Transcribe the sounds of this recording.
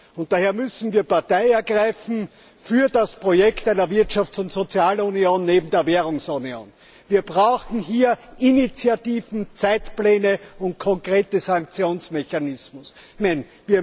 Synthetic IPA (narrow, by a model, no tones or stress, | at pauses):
ʊnt̚d̥aːheːɐmʏsn̩viːɐpaɐtæɪɛɐɡʁaɪfn̩ | fyːɐdaspʁ̥ojɛktæɪnɐvɪɐtʃaft͡sʊntz̥ot͡sjaːlunioːnːeːbm̩deːɐveːʁʊŋsunjo̰ːn | viːɐbʁaʊxn̩ɦiːɐinit͡sjatiːvn̩t͡sæɪtplɛːnəʊ̃nt̚kʰɔŋkʁeːtəzaŋkt͡sjoːnsmeçanɪsmʊs | mɛn | viːɐ